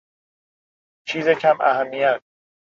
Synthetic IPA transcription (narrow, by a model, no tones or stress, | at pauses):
t͡ʃʰiːzecʰæmʔæ̰hæmːijæt̪̚